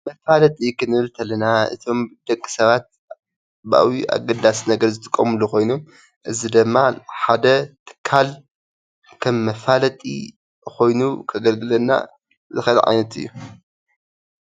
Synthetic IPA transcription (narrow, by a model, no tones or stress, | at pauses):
mɐfalɐt̪ʼikʰɨnɨɨlt̪ʰɐlːɐnaɨ̰t̪ʰo̞md̪̥ɐkʼːi̥sɐβat̪̚ | ba̰wiʔa̰ɡɐd̪asnɐɡɐɾzɨt̪ʰɨkʼːɐmɨluko̞jnom | ʔɨzid̪ɨmːaħad̪ɐt̪ʰɨ̥kʰːal | kʰɐmːɐfalɐt̪ʼḭ | xo̞jnukʰɐɡɐlɡɨlɐnːa̰ | zɨxɐl̰ʕa̰jnɐt̪ɨ̰jːu